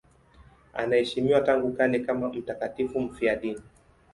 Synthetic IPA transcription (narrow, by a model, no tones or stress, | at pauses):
a̰naɛʃimiwataŋɡukanɛkamam̩takatifum̩fiaɗini